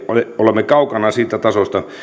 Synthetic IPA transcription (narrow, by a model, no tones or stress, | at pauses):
oeolemːekɑukɑnɑsiːt̪æt̪ɑsost̪ɑ